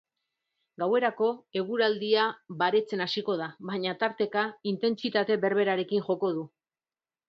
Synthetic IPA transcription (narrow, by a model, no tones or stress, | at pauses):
ɡawe̞ɾako̞e̞ɣ̞uɾald̪iaβaɾe̞t͡se̞nasiko̞ð̞aβaɲat̪aɾt̪e̞kaint̪e̞nt͡sit̪at̪e̞βe̞ɾβ̞e̞ɾaɾe̞kinʝo̞ko̞ð̞u